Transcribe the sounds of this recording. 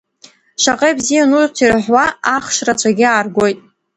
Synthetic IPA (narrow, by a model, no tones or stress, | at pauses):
ʃaqʼejbzijanuztʰirħʷwaːχʃrat͡ʃʷʰaɡʲɪaːrɡʷo̞jtʼ